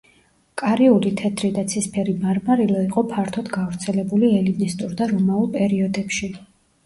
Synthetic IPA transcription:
kʼaɾiulit̪ʰɛt̪ʰɾid̪at̪sʰispʰɛɾimaɾmaɾilˠɔiqʼɔpʰaɾt̪ʰɔd̪ɡavɾt̪sʰɛlɛbuliɛlinist̪ʼuɾd̪aɾɔmaulˠpʼɛɾiɔd̪ɛpʃi

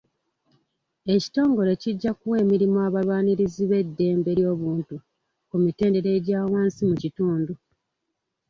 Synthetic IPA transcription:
e̞ci̥to̞ːŋɡo̞le̞ciɟːakuwe̞ːmiɾimoaβaβaːniɾiziβe̞dːe̞ːmbe̞ɾjo̞ːβuːntu | kumite̞ːnde̞ɾe̞ːɟaːwaːnsimucituːndu

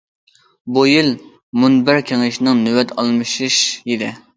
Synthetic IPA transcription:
bujil | munbɪɾkʲʰeŋɪʃnɪŋnywɛt̪ʰɑlˠmɨʃiʃid̪ɪ

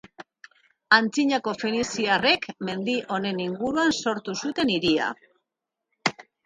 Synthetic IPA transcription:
ant͡siɲako̞fenisiare̞kme̞nd̪iʔo̞ne̞niŋɡuɾuanso̞ɾt̪usut̪e̞niɾia̰

